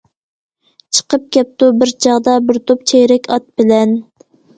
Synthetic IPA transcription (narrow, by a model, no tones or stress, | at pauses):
t͡ʃʰə̥qəp̚kʲɛp̚t̪ubɪɾt͡ʃʰɑʁd̪ɑbɪɾt̪ʰop̚t͡ʃʰejɾɛkʲɑt̪̚bɪlɛn